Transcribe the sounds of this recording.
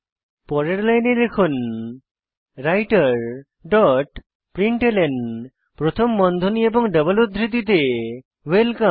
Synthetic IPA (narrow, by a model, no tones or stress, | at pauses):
pɔɾeɾlajneɾekʰon | ɾajʈaɾ | ɖɔʈ | pɾiɳʈelen | pɾot̪ʰomːɔnd̪ʱonieboŋɖʌbolud̪ʱɾit̪it̪e | welka